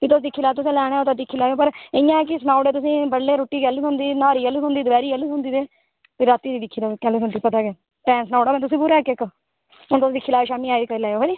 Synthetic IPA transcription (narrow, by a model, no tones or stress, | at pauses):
kit̪ʊsd̪ikʰːiːlaːt̪ʊsẽːlɛːɽ̃eːoːt̪ãd̪ikʰːiːlaːeoːpəɾɪɪjãːɛːkɪsnaːʊɖeːt̪ʊsĩːbəɽleːɾoːʈːiːɡɛːliːsõnd̪iːnaːɾiːəluːsõːnd̪iːd̪əbɛːɾiːəlːusõnd̪iːd̪eː | peːɾaːt̪iːd̪iːd̪ɪkʰːiːd̪oːkɛːleːsõnd̪iːpət̪aːɡeː | ʈɛ̃ːnsnaːʊɖaːmɛ̃ːt̪ʊs̬ĩːpuːɾɛːkɪkː | ʊnt̪ʊsːd̪ɪkʰːiːlaːeːʃaːmiːaːiikəlɛːjoːɦeːd͡ʒiː